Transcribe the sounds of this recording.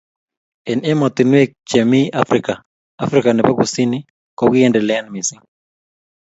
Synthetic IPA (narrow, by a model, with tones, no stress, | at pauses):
ɛ˨nɛ˦mɔ˨t̪ɪ˨nwe˦k̚t͡ʃɛ˨mi˦a˦fɾɪka˨ | a˦fɾɪ˦ka˨nɛ˨pa˦ɡu˨si˦nɪ˦ | kɔ˨ɡɪ˦ɛ˦ndɛ˨lɛa˦nmɪ˨sɪ˦ŋ